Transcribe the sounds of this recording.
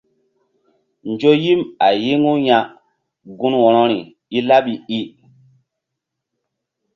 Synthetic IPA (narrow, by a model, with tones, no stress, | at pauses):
nd͡ʒo˦ji˦ma˨ji˦ŋu˦ja˨ | ɡu˦nwɔ˨ɾɔ˦ɾi˨ | i˦la˦ɓi˨i˦